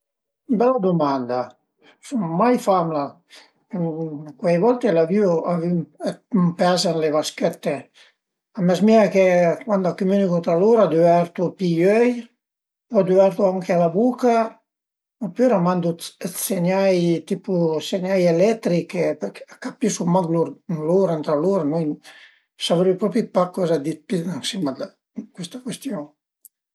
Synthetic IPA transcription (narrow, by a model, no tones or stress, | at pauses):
bɛlːad̪umand̪a | summajfamla | kwɛjvɔlt̪elavyoavimmpazanleβaskɛt̪ːe | amɛsmiakekwand̪akːumynikut̪ɾaluɾad̪yɛɾt̪upijøj | ad̪yɛɾt̪uaŋkealabuka | apøɾamand̪uɛt̪seɲajt̪ipuseɲajelɛt̪ɾikepɛkakapisumaɡluɾluɾant̪ɾaluɾanuj | savɾipɾɔpipakːɔzad̪ipid̪ansimad̪a | kwist̪ḁkwɛst̪jɔŋ